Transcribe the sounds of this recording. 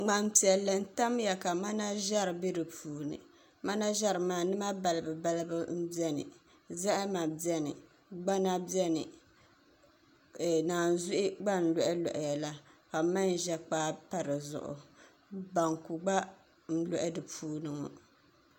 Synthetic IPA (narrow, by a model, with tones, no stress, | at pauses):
ŋ͡ma˨m˦pi˨ɛ˨lːɨ˨n̩˦ta˦mja˨ka˨ma˦na˦ʒa˦ɾɨ˨be˦dɨ˨pʰuː˨nɨ̰˨ | ma˦na˦ʒɛ˦ɾɨ˨maː˨nɨ˦ma˦ba˨lɨ˨bɨ˨ba˦lɨ˦bɨ˦m̩˦bi˦ɛ˦nɨ̰˨ | za˦ʔma˨bi˦ɛ˦nɨ̰˨ | ɡ͡ba˦na˦bjɛ˦nɨ˨ | naː˨n̩˨zʊ˦ʔɪ˦ɡ͡ba˦n̩˨lɔ˨ʔɛ˦lɔ̰˨ʔɪ˨ja˨la˦ka˨˦ma˦n˨ʒɛ˦k͡paː˦pa˦ɾɨ˨zʊ̰˨ʔʊ̰˨ | ba˨ŋku˨ɡ͡ba˦ | n̩˦lɔ˦˨ʔɛ˦dɨ˨pʰuː˦nɨ˨ŋɔ˨